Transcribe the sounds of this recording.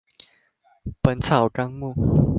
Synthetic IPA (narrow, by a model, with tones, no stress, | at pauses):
pə˨˦nt͡sʰa˨˩ʊka˥ŋmu˥˨